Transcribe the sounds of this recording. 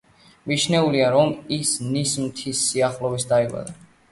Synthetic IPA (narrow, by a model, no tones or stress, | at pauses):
mit͡ʃʰnɛuliaɾɔmisnismt̪ʰisːiaχlˠɔvisd̪aiva̰d̪a